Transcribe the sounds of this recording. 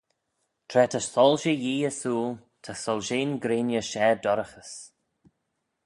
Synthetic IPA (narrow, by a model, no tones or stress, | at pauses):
t̪ʰɾɛːt̪ʰəsɔlʃəjiːəsuːlt̪ʰəsɔlʃeːnɡɾeːnjəʃɛːdɔɾəxəs